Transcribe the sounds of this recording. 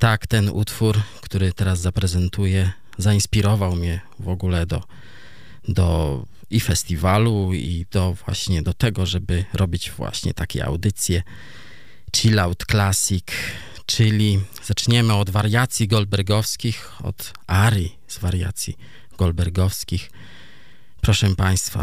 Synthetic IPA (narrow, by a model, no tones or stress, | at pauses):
t̪akt̪ɛnṵt̪fuɾkt̪uɾɘt̪ɛɾazːapɾɛzɛnt̪ujɛ | zaĩspʲiɾɔvawmɲɛ | vɔɡulɛd̪ɔ | d̪ɔ̰ | ifɛst̪ʲivaluḭd̪̥ɔvwa̰ɕɲɛd̪ɔt̪ɛɡɔʐɛbɘɾʔɔbʲid͡ʑvwa̰ɕɲɛ̰t̪akʲɛ̰a̰wd̪ɘt̪sʲjɛ | t͡ʂilawt̪klasik | t͡ʂɘlʲiz̥at͡ʂɲɛmɘɔd̪vaɾjat̪sʲjiɡɔlbɛɾɡɔfskʲix | ɔ̰t̪ | aɾji | z̥vaɾja̰t̪sʲji | ɡ̥ɔlbɛɾɡɔfskʲix | pɾɔʂɛpaj̃st̪fa̰